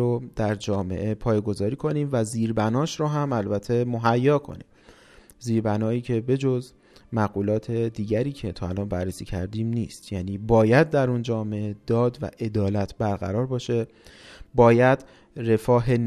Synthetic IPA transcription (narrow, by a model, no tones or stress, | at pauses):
od̪̥æɾd͡ʒɒːme̞̰ʔe̞pʰɒːjeɡo̞zɒːɾiːkʰo̞niːmvæziːɾbænɒːʃɾoɦæmælbæt̪ʰe̞moɦæjːɒːkʰo̞̰nḭːm | ziːɾbænɒːiːcʰe̞be̞d͡ʒo̞z | mæɣuːlɒːt̪ʰe̞d̪iːɟæɾiːcʰe̞t̪ʰɒːælɒːnbærːesiːcʰæɾd̪iːmniːst̪jæːniːbɒːjæd̪̚ːæɾund͡ʒɒːme̞ʔed̪ɒːd̪væ̰ʔe̞d̪ɒːlæt̪ʰbæɾɣæ̰ɾɒːɾbɒːʃe̞ | bɒːjæd̪ | re̞fɒːɦe̞n